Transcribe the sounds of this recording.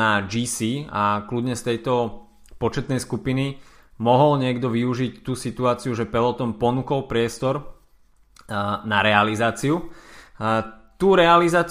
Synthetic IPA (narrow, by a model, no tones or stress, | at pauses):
ad͡ʒiːsiːakludɲɛst̪ɛjt̪ɔ | pɔt͡ʃɛt̪nɛjskupini | mɔɦɔlɲɪɛɡd̪ɔʋiuʒict̪uːsit̪uaːt͡siuʒɛpɛlɔt̪ɔmpɔnuːkɔlpɾɪɛst̪ɔɾ | naɾɛalizaːt͡siu | t̪uːɾɛalizaːt͡s